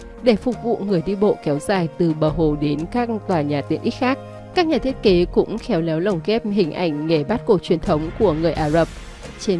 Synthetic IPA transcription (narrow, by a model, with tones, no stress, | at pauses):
ɗe˧˩fʊ˨˩k͡p̚vṵ˧˨ŋɨ˨˩əjɗi˧ɓo̰˧˨kɛ˨˦wzaː˨˩jt̪ɨ˨˩ɓəː˨˩ɦo˨˩ɗe˨˦nkaː˦˥k̚t̪waː˨˩ɲaː˨˩t̪i˨˧˩ənʔi˦˥t̚xaː˦˥k̚ | kːaː˦˥k̚ɲaː˨˩t̪ʰi˦˥ət̚ke˨˦kʊ̰˧˥ŋ͡mxɛ˨˦wlɛ˨˦wlə˨˩wŋ͡mkɛ˦˥p̚ɦï˨˩ŋ̟ʔa̰˨˧˩jŋ̟ːe˧˩ɓaː˦˥t̚ko˧˩t͡ɕwi˨˩ənt̪ʰə˨˦wŋ͡mku˧˩əŋɨ˨˩əjʔaː˧˩zə˨˩p̚ | t͡ɕe˧